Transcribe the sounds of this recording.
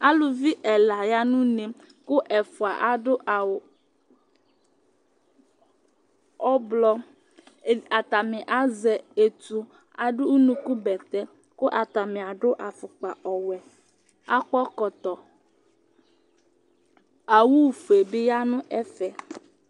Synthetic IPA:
a˦lʊ˨vi˦ʔɛ˨la˨ja˦nʊ̃˦ne˨ | kʊ˦ʔɛ˨fʊ˨a˨ʔa˨ɖʊ˦ʔa˨w | ɔ˦blɔ˦˨ | a˨t̪a˨mɪ̃˨ʔa˦zɛ˨e˨t̪u˨ | a˨ɖʊ˦nũ˨ku˦bɛ˨t̪ɛ˦ | kʊ˦ʔa˨t̪a˨mɪ̃˨a˨ɖʊ˦ʔa˨fʊ˨k͡pa˨ɔ˨wɛ˨ | a˦k͡pɔ˦kɔ˨t̪ɔ˨ | a˨wu˦˨fu˨e˨bɪ˦ja˦nʊ̃˦ʔɛ˦fɛ˨

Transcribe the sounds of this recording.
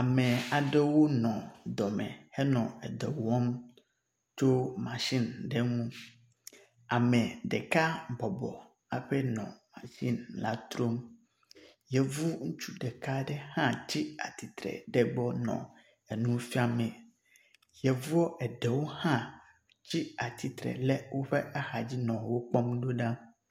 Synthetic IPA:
a˨mɛ̃˨a˨ɖɛ˦wo˦nɔ̃˨d̪ɔ˨mɛ̰̃˨hɛ˦nɔ̃˨ɛ˨dɛ˨wɔ˦m | to˦mã˨ʃĩ˦nɖɛ˦ŋũ˦ | a˨mɛ̃˨ɖɛ˨ka˦bɔ˨bɔ̰˨ | a˨ɸɛ˦nɔ̰̃˨mã˨ʃĩ˦nla̰˨t̪ɾo˦m | jɛ˨vu˦ŋu˦t͡ʃu˦ɖe˨ka˦ɖɛ˦hã˦t͡ɕi˦a̰˨t̪i˨t̪ɾɛ̰˨ɖɛ˦ɡ͡bɔ˦nɔ̰̃˨ | e˨nũ˦fi˦a˨mɛ̃˨ | jɛ˨vu˦ɔ˦ʔɛ˨ɖɛ˨wo˦hã˦ | t͡ɕi˦a˨t̪ʰi˨t̪ɾɛ̰˨lɛ˦wo˦ɸe˦a˦xa˨d͡ʑi˦nɔ̃˨wo˦k͡pɔ˦mɖo˦ɖã˦

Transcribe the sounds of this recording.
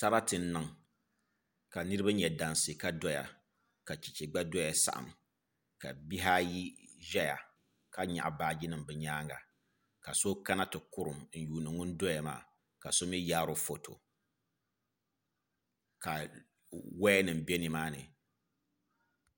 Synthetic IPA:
ta˦ɾa˦tɨ˨n˦nɨ˦ŋ | ka˨nɨ˦ɾɨ˦ba˦ɲɛ˨da˨nse˨ka˦dɔ˦ja̰˨ | ka˨t͡ʃi˨t͡ʃɛ˨ɡ͡ba˦dɔ˦ja˨sa̰˦˨ʔa̰˨m | ka̰˨bi˦ɦa˦ji˦ʒɛ˦ja̰˨ | ka˦ɲa̰˨ʔa̰˨baː˦d͡ʒi˦nɨ˦mbɛ˨ɲaː˦ŋɡa̰˨ | ka˨so˦ka˦na˦tɨ˨kʊ˦ɾʊ˨m˦n̩˨juː˨nɨ˨ŋʊ˦n̩˦do˦ja˨ma̰ː˦˨ | ka˨so˦mi˦jaː˦ɾo˦fo˨to̰˨ | ka˨ | wɛ˦nɨ˨m̩˨bɛ˦ni˨maː˦nɨ˨

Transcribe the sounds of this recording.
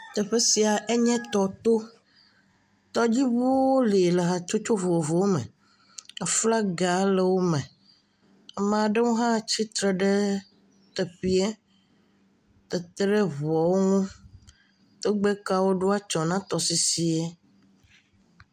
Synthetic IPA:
t̪ɛ˨ɸe˦si˨a˨ʔe˦ɲɛ̃˦t̪ɔ˨t̪o˦ | t̪ɔ˦d͡ʑi˦βo˦wo˦le˨le˨ɦa˨t͡ʃo˦t͡ʃo˦vo˨wo˨vo˨wo˦mɛ̰̃˨ | ɛ˦fla˦ɡa˨˦le˨wo˦mɛ̃˨ | mã˨ɖe˦ŋũ˦ɦã˦t͡ɕi˦t̪ɾe˨ɖɛ˦ | t̪ɛ˨ɸi˦ɛ˦ | t̪ɛ˨t̪ɾe˦βɔ˨wo˦ŋũ˦ | t̪o˦ɡ͡be˦ka˦wo˦ɖo˦a˦t͡ʃɔ˨nã˦t̪ɔ˨si˨si˨ɛ˦

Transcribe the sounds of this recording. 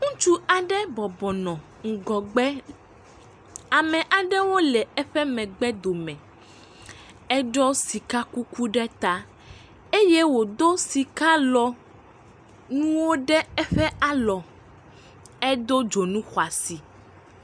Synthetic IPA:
ŋũ˦t͡ʃu˦a˨ɖɛ˦bɔ˨bɔ˨nɔ̃˨ | ŋ̩˨ɡɔ˨ɡ͡bɛ˦ | a˨mɛ̃˨ʔa˨ɖɛ˦wo˦lɛ˨ɛ˦ɸɛ˦mɛ̃˨ɡ͡bɛ˦d̪o˨mɛ̃˨ | ɛ˦ɖɔ˦si˨ka˦ku˦ku˦ɖɛ˦t̪a˦ | e˦je˦wo˨d̪o˦si˨ka˦lɔ˨ | nũ˦wo˦ɖɛ˦ɛ˦ɸɛ˦a˦lɔ˨ | ɛ˦d̪o˦d͡ʒo˨nũ˦xwa˨si˨

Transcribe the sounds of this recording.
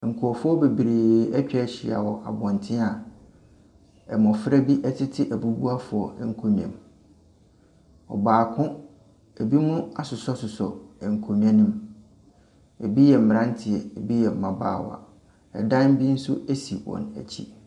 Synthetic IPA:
ŋ̩˨kʰu˨ɔ˨fʊ˦ɔ˦be˨bɾeː˨ɛ˦t͡ɕᶣɛ˦˨ɕɪ˨a̰˨wɔ˨ʔa̰˨bɔ̃˨ntʰɪ̃˦a˨ | ɛ˨mɔ̃˨fɾæ˦bi˦ʔɛ˦tʰɪ˦tʰɪ˦ʔæ˨bu˦bu˦a˦fʊ˨ɔ˨ɛ˦ŋ̩˨kʰo˨ɲ˨ɛ̰̃˨m˨ | ɔ̰˨baː˨kʰʊ̃˦ | e˨bi˦mũ˦a˨sʊ˨sɔ˦sʊ˨sɔ˨ŋ̩˨kʰo˨m̃˨˦ã˦nũ˦m | e˨bi˦jɛ˨m̩˨m˨ɾã˦n˦tʰɪ˨ɛ˨e˨bi˦jɛ˨m̩˨mã˨ba̰ː˦˨wa̰˨ | ɛ̰˨dã˦nm˦bi˦n̩˦sʊ˦æ˦si˨wɔ̰̃˨næ̰˨t͡ɕʰḭ˦

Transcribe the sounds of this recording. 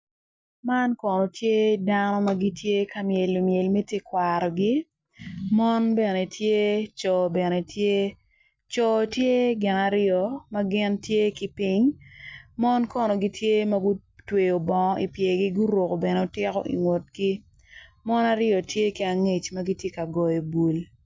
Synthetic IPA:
ma˦nkɔ˨no˨tʰje˦danɔ˦ma˦ɡi˦tʰje˦ka˦mje˨lːo˨mje˨lme˦tje˦kwaɾɔ˨ɡi˦ | mɔ˦nbɛ˨ne˨tʰje˦t͡ʃɔ˨bɛ˨ne˨tʰje˦ | t͡ʃɔ˨tje˦ɡɪ˨na˨ɾɪɔ˨ma˦ɡɪ˦ntje˦ki˨pi˦ŋ | mɔ˦nkɔ˦no˨ɡi˦tʰje˦mɐ˦ɡu˦twe˨o˨bɔ˨ŋ˦ʔi˨pje˨ɡi˦ɡu˦ɾwo˨ko˨bɛ˨ne˨o˦tɪ˦kɔ̰˦ʔḭ˨ŋwo˨t̚ɡi˦ | mɔ˦na˦ɾɪɔ˨tje˦ki˨a˨ŋe˦˨t͡ʃmɐ˦ɡi˦tje˦ka˨ɡɔ˨jo˨bu˨l

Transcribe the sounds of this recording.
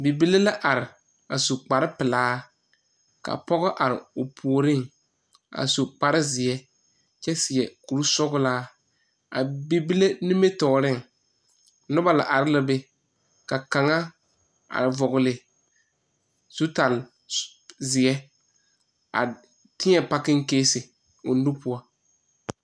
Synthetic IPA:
bi˨bi˦le˦la˦ʔa˨ɾɪ˨ | a˨so˨k͡pa˨ɾɪ˦pɪ˨laː˦ | ka̰˨pɔ˦ɣɔ˦ʔa˨ɾɪ̰˨ʊ˨pʰu˨o˨ɾɪ˦ŋ | a̰˨so˨k͡pa˨ɾɪ˦zɪ˨jɛ˦ | t͡ʃɛ˦sɪ˨jɛ˨ku˨ɾu˦sʊ˦ɡʊ˦laː˦ | a̰˨bi˨bi˦le˦nɪ˦me˦tɔː˨ɾɪ˦ŋ˨ | nʊ˦ba˨la˨ʔa˨ɾɪ˦la˨be˦ | ka˨ka˨ŋa˦ | a̰˨ɾɪ˨vɔ˨ɣʊ˨lɪ˨ | z̥u˦ta˨l | zɪ˨ɛ˦ | a̰˨ | tɪ˦ɲɛ˨pa˦kɪ˦ŋ˦keː˦sɪ˨ | ʊ˨nu˦pʊ˦a˦

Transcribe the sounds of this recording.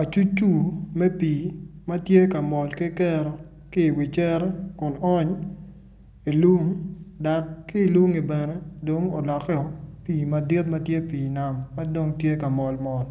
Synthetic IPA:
a˨t͡ʃu˦t͡ʃːu˦mɛ˦piː˨ma˦tje˦ka˨mɔ˨lkɪ˦kɛ˦ɾɔ˨ | kɪ˦˨wi˨t͡ʃɛ˦ɾɛ˦kʊ˨nɔ˦ɲ | i˨lwu˦ŋda˨kki˦˨lwu˦ŋi˨bɛ˨nɛ˦do˨ŋo˨lɔ˨kɛ˦ɔ˨piː˨ma˨di˦t̚ma˦tje˦piː˨na˨mːa˦do˦ŋtje˦ka˨mɔ˨lmɔ˨l

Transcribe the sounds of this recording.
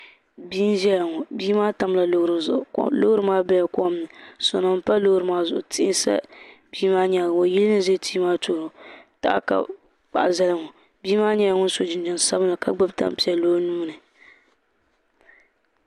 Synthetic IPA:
bi˦n˦ʒɛ˦ja˨ŋɔ˨biː˦maː˦ta˨mla˨lo˦hɾɨ˨zʊ̰˨ʔlo˦hɾɨ˦maː˦bɛ˦ja˨kɔ˦mnɨ˨sɔ̰˨nɔ˨m̩˦pa˦lo˦hɾɨ˨maː˦zʊ̰˨ʔʊ˨tɪ˦ʔɪ˦nsa̰˦biː˦maː˦ɲɛ˨ŋo˨ji˦lɨ˦nɨ˦ze˦tiː˦maː˦to˨ɾʊ˨ta̰˦ʔka̰˨ | k͡pa̰˨ʔza˦lɨ˦ŋɔ˨ | biː˦maː˦ɲɛ˦ja˦ŋʊ˦n˦so˨d͡ʒɪ˨n˦d͡ʒɪ˨n˨sa˦bɨ˦nɨ˨ka˦ɡ͡bɨ˦bta̰˦m˨pi˦˨ɛ˨lo˦nuː˦nɨ˨

